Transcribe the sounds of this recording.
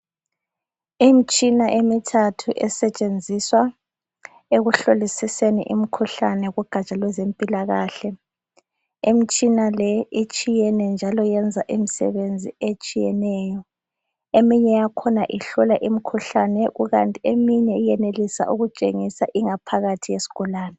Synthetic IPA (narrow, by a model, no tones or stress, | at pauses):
imit͡ʃʼinaʔemitʰatʰuʔɛsɛt͡ʃʼend͡zʱiswa | eɣuɬolisisenḭʔḭm̩kʰuɬanɛɣuɡ̥ʱat͡ʃʼalwɛzempʼilaɣaːɬɛ | imit͡ʃʼinalɛit͡ʃʼijɛnɛnd͡ʒʱalɔjɛnd͡zʱaʔim̩sɛ̰βend͡zʱiet͡ʃʼijɛ̰nɛːjɔ | emiɲɛjakʰɔnaʔiɬɔlaʔim̩kʰuɬanɛɣuɣantʼiemiɲɛijɛnelisa̰ʔuɣut͡ʃʼeŋisaʔiŋapʰaɣatʰijesi̥ɣ̥ɔlaːnɛ